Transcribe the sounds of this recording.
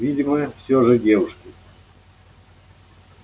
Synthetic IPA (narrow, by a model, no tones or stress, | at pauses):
vʲidʲɪməfsʲoʐɨdʲevʊʂkʲɪ